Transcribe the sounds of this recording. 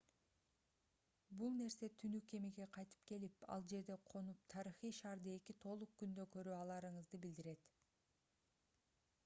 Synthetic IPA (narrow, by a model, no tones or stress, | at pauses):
bulˠne̞ɾse̞t̪ʰynyke̞miɡe̞qʰɑjt̪ɯ̥p̚ke̞lipɑ̰lˠd͡ʒe̞ɾd̪e̞qʰo̞nup̚t̪ʰɑɾiχijʃɑːɾd̪ɯe̞kit̪ʰo̞lˠuq̚kynd̪økø̞ɾyːɑlˠɑɾɯɴɯzd̪ɯbild̪iɾe̞t̪